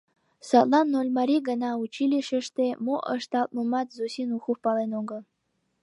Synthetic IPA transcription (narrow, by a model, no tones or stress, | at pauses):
sat̪ʼlˠɑnːolʲmaɾʲiɡənaut͡ʃʰilʲiʃəʂt̪emoʔə̰ʂt̪alt̪ʼmumɑt̪zosinuxufpɑlˠenoŋɡə